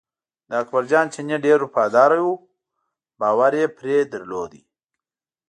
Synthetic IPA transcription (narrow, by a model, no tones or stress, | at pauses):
d̪əakbaɾd͡ʒɑːnt͡ʃeneɖeɾupɑd̪ɑːɾajwu | bɑːwaɾjepɾed̪əɾlod̪i